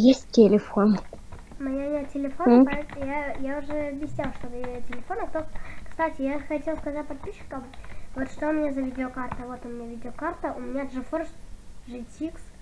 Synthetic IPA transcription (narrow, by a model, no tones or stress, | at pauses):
jesʲtʲtʲːɪlʲɪfon | mɐjanʲatʲɪlʲɪfopɐɛjajaʊʐɛɐbʲjɪsʲnʲalˠʂt̪obɨjetʲɪlʲɪfonəkt̪okkst̪atʲɪjaxɐtʲelˠskɐzat̚ʲpɐt̪̚pʲiɕːɪ̥kəmvot̪ʂt̪oʊmʲɪnʲazɐvʲidʲɪokart̪əvo̞t̪ʊmʲɪnʲavʲidʲɪokart̪əʔʊmʲɪnʲaʐɨforʂʐɨsʲiks